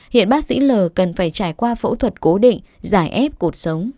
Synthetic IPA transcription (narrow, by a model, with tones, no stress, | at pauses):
hḭ˧˨ənɓaː˦˥k̚sḭ˧˥ləː˨˩kə˨˩nfaː˧˩jt͡ɕaː˧˩jkwaː˧fo̰˧˥t̪ʰwə˨˩t̚ko˨˦ɗḭ˧˨ŋ̟zaː˧˩jʔɛ˦˥p̚ku˨˩ət̚sə˨˦wŋ͡m